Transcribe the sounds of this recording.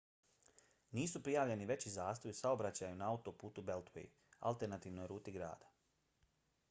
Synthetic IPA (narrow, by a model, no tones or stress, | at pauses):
niːsupɾijaːʋʎe̞niʋe̞t͡ɕizaːst̪ojusaobɾat͡ɕajunaaut̪opuːt̪ube̞lt̪ʋḛj | a̰lˠt̪e̞ɾnat̪iːʋno̞jɾuːt̪iɡɾa̰ːd̪ḁ